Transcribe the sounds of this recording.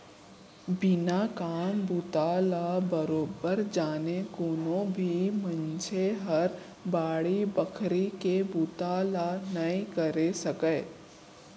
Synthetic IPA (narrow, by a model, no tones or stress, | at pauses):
bɪnaːkaːnbut̪aːlabəɾoːbəɾd͡ʒaːnekoːnõbʱimə̃nt͡ʃʰeɦəɾ | baːɽibəkʰɾikebut̪aːlanɐĩkɐɾesɐkəː